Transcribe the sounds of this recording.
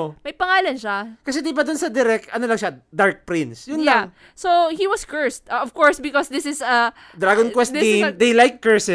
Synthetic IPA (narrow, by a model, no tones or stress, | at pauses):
mɐjpɐŋaːlɐnʃakɐs̬ɛd̪ibad̪ʊnsɐd̪ɛɾɛk̚t̪ʔɐnolɐŋʃad̪aɹk̚pɾɪ̃nsjʊnlaŋ | sohiwɐskɜɹst̪ɔv̥kɔɹsbɪkɔsd̪ɪsɪsɐ | d̪ɾaɡonkwɛst̪id̪ejlajkːɛɹsɛ